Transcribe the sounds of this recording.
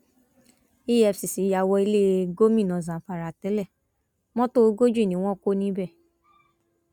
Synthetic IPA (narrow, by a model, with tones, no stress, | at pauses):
i˦ɛ˧fsi˨si˨˦ja˧wɔ˧˦i˧le˦˧ɡo˦mĩ˦˨nɔ̃˨zã˨fa˨ɾa˨tɛ˨˦lɛ˦˨ | mɔ̃˦to˦ɡo˦d͡ʒu˦˨nĩ˦w̃ɔ̃˦ko˦nĩ˦bɛ˦˨